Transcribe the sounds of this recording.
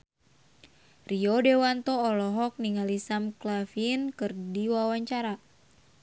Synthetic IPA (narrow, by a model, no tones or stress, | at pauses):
riɔdewant̪ɔːlɔɦɔk̚niŋalisamklafinkɨrdiwawaɲt͡ʃaɾa